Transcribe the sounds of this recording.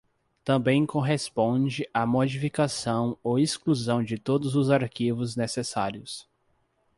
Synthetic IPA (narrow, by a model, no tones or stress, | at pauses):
t̪ɐ̃bẽj̃kõɦespõd͡ʒɪʔamod͡ʒifikasɐ̃w̃owiskluzɐ̃w̃d͡ʒɪt̪od̪ʊzʊzaɾkivʊznesesaɾiʊs